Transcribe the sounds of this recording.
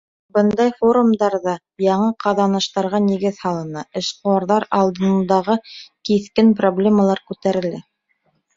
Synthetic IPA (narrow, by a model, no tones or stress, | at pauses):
bɤnd̪ɑjfo̞ɾumd̪ɑɾðɑ | jɑɴɤqɑðɑnɤ̆ʃt̪ɑɾʁɑniɡɘðhɑlˠɤ̆nɤʔɘ̆ʃquwɑɾðɑɾɑlˠd̪ɤ̆nd̪ɑʁɤkiθkɘnproblʲemalˠɑɾkʉt̪æɾɘ̆læ